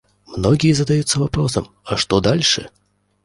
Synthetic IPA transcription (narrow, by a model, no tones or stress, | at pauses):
mnɔɡʲijɛzɐd̪ajut̪sːɐvapɾɔsɐm | ɐʂt̪ɔd̪alʲʂɨ̰